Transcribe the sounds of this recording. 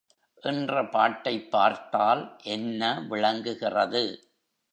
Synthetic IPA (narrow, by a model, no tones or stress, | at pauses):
ʔɪndrɐpaːʈːɐɪpːaːɾt̪aːlʔɛnːɐʋɪɭɐŋɡɯɣɪrɐðɯ